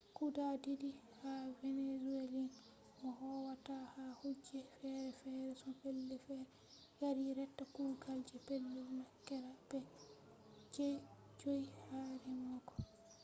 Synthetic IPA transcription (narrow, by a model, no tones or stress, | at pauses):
kudadidi | havɛnezuelin | ʔɔhɔwatahahud͡ʒːɛfɛɾɛfɛɾɛsɔpɛlːɛfɛɾɛ | jaɾiɾɛtːakulɡald͡ʒɛpelːɛnakːɛɾab̥ɛ | d͡ʒej | d͡ʒojhaɾɛmɔkɔ̥